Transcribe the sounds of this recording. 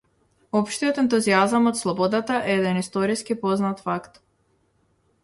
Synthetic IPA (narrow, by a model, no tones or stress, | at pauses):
ɔpʃt̪iɔt̪ɛnt̪uziazamɔt̪slˠɔbɔd̪at̪aʔɛɛd̪ɛnist̪ɔɾiskipɔznat̪fakt̪